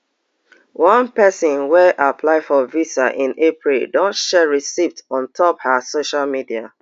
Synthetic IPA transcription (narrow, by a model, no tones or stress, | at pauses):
wɔ̃npɛsɔ̃nwɛʔapʰlaɪfɔvisaʔĩnepɹildɔ̃ntʃɛɹisiftɔ̃ntʰɔphasoʃalmidia̰